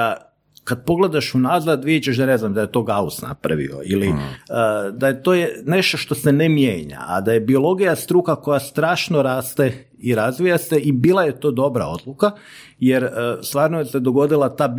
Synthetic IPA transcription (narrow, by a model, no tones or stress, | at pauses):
a | kad̪̚po̞ɡle̞d̪aʃunazad̪ʋiet͡ɕeʃd̪aneznamd̪aje̞t̪o̞ɡausna̰pɾa̰ʋḭo̞̰iliəd̪ajet̪o̞ne̞ʃt̪o̞ʃt̪o̞senemjeːɲa̰ʔa̰d̪ajebio̞lˠo̞ɡijast̪ɾuːkako̞jast̪ɾaːʃno̞ɾaːst̪e | iɾazʋijaseʔibiːlˠajet̪o̞ːd̪o̞bɾa̰o̞d̪luka | jeɾəst̪ʋaːɾnojesed̪o̞ɡo̞d̪ilˠat̪aː